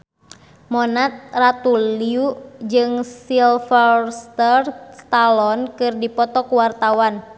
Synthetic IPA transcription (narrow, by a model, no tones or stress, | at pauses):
mɔnat̪̚rat̪uliud͡ʒɨŋsilfɔst̪ərt̪alɔnkɨrdipɔt̪ɔkuwart̪awan